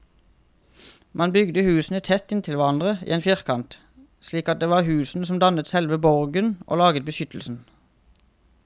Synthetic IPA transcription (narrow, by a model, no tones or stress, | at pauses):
mɑnbʏɡd̪əhʉːsn̩ət̪ʰɛt̪ɪnt̪ʰɪlʋæʁɑnd̪ʁəḭːeːnfjɪʁkʰɑnt̪ | sliːkɑt̪̚d̪eːʋɑːʁhʉːsn̩əsɔmd̪ɑnət̪sɛlʋəbɔʁɡənʔo̰ːlɑːɡət̪̚bəʃʏt̪l̩sn̩